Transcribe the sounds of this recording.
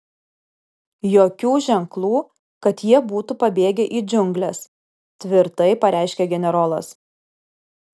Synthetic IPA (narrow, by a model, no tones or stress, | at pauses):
joːkʲuːʒʲɛŋklˠuː | kɐt̪jiɛbuːt̪upɐbʲeːɡʲɛʔiːd͡ʒʲʊŋʲɡlʲɛs | t̪ʲʋʲɪɾt̪ɐɪpɐɾʲʔæˑɪʃʲkʲeɡʲɛnʲɛɾoːlˠɐ̰s